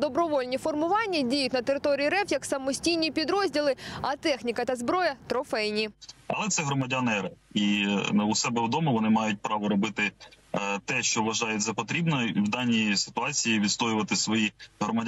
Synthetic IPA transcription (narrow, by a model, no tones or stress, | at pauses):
d̪ɔbɾɔʋɔlʲnʲifɔrmʊʋɑnʲːɐdʲijʊtʲnɐt̪eɾɪt̪ɔɾʲijiɾɛfjɐksɐmɔsʲtʲijnʲipʲid̪ɾɔzʲdʲilˠɪɐt̪ɛxnʲikɐt̪ɐzbɾɔjɐt̪ɾɔfɛjnʲiɐlˠɛt̪sɛɦɾɔmɐdʲɐnɛɾɐiusɛbɛʋd̪ɔmɔʋɔnɪmɑjʊt̚ʲpɾɑʋɔɾɔbɪt̪ɪ | t̪ɛʃt͡ʃɔʋɐʒɑjɛtʲzɐpɔt̪ɾʲibnɔwd̪ɑnʲːijisɪ̥t̪ʊɑt͡sʲijiʋʲid̪st̪ɔjʊʋɐt̪ɪsʋɔjiɦɾɔmɐdʲ